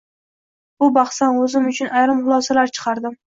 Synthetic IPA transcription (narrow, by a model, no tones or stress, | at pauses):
bʊbɑχsanɵzɪmʊt͡ʃʰʊnʔajɾɪmχʊlˠɒsalaɾt͡ʃʰɨ̥qʰɑɾd̪ɪm